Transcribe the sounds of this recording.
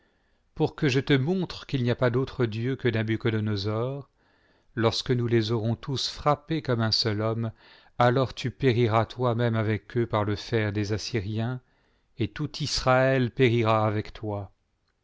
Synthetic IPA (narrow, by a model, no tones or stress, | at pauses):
puʁkəʒət̪əmɔ̃t̪χəkʲilniapad̪ot̪χəd̪jøkəd̪ãbykɔlɔnɔzɔʁ | lɔʁskənulezɔʁɔ̃t̪ʰusfχapekɔmɛ̃sœlɔm | alɔʁt̪ypeʁiʁat̪wamɛmavɛkʰøpaʁləfɛʁd̪ezasiʁjɛ̃ | et̪ut̪isχaɛlpeʁiʁaːvɛkt̪wa